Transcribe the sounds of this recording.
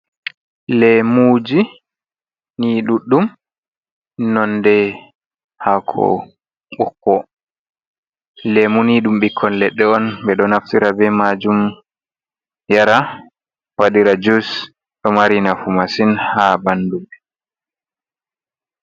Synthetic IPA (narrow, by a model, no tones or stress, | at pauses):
lɛmud͡ʒi | niɗuɗːum | nɔndɛ | hakʰɔ̰ | ɓɔkːɔ | lɛmuniɗumɓikʰːɔnlɛɗːɛɔnbɛɗɔnaftiɾabɛmad͡ʒum | jaɾa | waɗiɾad͡ʒus | ɗɔmaɾinafumasinhabandumɛ